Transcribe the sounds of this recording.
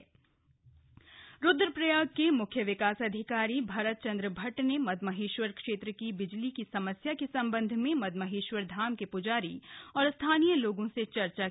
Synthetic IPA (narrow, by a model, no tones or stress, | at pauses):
ɾʊd̪ɾəpɾɐjaːɡkemʊkʰjəʋɪkaːsɐd̪ʱɪkaːɾibʱaːɾət̪̚t͡ʃɐ̃nd̪ɾəbʱɐʈnemɐd̪mɐɦeːʃwəɾkʃeːt̪ɾəkibɪd͡ʒlikisɐməsjakisɐ̃mbə̃nd̪ʱmẽmɐd̪mɐɦeːʃʋəɾd̪ʱaːmkepʊd͡ʒaːɾḭɔːɾst̪ʰaːnijəloːɡõset͡ʃɐɾt͡ʃa